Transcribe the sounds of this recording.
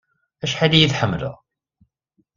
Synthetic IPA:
æʃħalijiθħəmːlə̰ʁ

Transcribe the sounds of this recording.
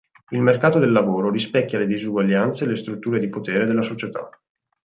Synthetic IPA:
ilmerkaːt̪od̪elːavoːɾoɾispɛkːjaled̪izuɡwaʎːant̪selest̪ɾut̪ːuːɾed̪ipot̪eːɾed̪elːasot͡ʃet̪a̰

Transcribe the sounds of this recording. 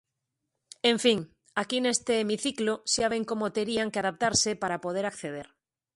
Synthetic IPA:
eɱfiŋ | akine̞st̪eːmiθikloseaβ̞eŋko̞mot̪eɾiaŋkeaðap̚t̪aɾsepaɾapo̞ð̞eɾakθeð̞e̞ɾ

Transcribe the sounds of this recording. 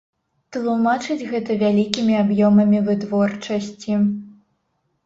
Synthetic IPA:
t̪lˠumat͡ʂɨd͡zʲɣɛt̪ɐvʲalʲikʲimʲiabjɔmɐmʲivɨt̪vɔrt͡ʂɐsʲt͡sʲi

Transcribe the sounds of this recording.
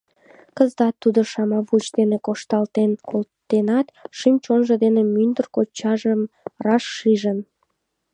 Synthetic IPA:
kəzt̪ɑt̪ːud̪oʃɑmɑβut͡ɕd̪enekoʃt̪ɑlt̪enkolt̪ːenɑt̪ʃymt͡ɕonʒəd̪enemynd̪ərkot͡ɕːɑʒəmrɑʃːiʒən

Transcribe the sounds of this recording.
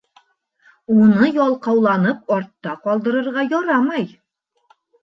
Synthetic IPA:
unɤjɒlˠqɑwlˠɑnɤp̚ɒɾt̪ːɑqɒlˠd̪ɤ̆ɾɤ̆ɾʁɑjɒɾɑmɑj

